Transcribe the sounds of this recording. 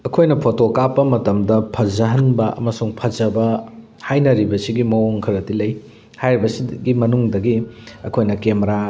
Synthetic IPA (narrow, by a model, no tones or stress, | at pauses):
ɐkʰojnɐpʰotokapːɐmɐtɐmdɐpʰɐzɐɦɐnbɐʔɐ̰mɐsuŋpʰɐd͡ʒɐbɐ | hajnɐɾibɐsiɡimɐoŋkʰɐɾɐtilɐj | hajɾibɐsiɡimɐnuŋdɐɡiɐkʰojnɐkemɾa